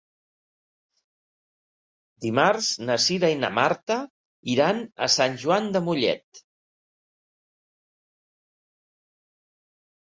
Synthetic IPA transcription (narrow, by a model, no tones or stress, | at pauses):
d̪imaɾznəsiðainə̰maɾt̪ə | iɾanə̰sanʲʒuand̪əmuʎɛ̰t̪